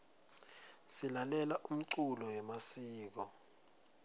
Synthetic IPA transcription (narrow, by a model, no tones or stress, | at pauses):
silalɛlaʔum̩ǀulɔwɛmasiːk̬ɔ